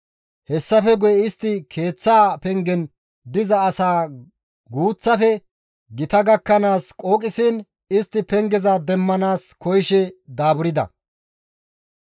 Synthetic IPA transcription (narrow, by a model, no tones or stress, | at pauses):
hɛsːɐfɛɡʊjɛɪst̪ːɪkʰe̞ːt͡sːaːpɛŋɡɛn | d̪ɪzɐːsaː | ɡuːt͡sːɐfɛ | ɡɪt̪ɐɡɐkːɐnaːskʼo̞ːkʼɪsɪn | ɪst̪ːɪpɛŋɡɛzad̪ɛmːɐnaːskɔjʃɛd̪aːbʊɾɪd̪ɐ̰